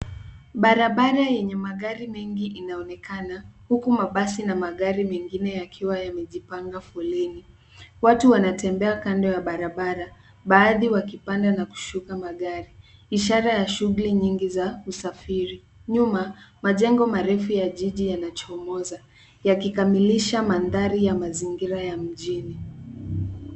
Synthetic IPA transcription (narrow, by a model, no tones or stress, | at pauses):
ɓaɾaɓaɾajɛɲɛmaɠaɾimɛŋɡiʔinaɔnɛkanahukumaɓasinamaɠaɾimɛŋɡinɛjakʰiwajamɛʄipaŋɡafɔlɛni | watuwanatɛmbɛakandɔjaɓaɾaɓaɾa | ɓaːðiwakipandanaku̥ʃukamaɠaɾi | iʃaɾajaʃuɣuliɲiŋɡizausafiɾi | ɲumamaʄɛŋɡɔmaɾɛfujaʄiʄijanat͡ʃɔɔmɔza | jakikamiliʃamanðaɾijamaziŋɡiɾajam̩ʄini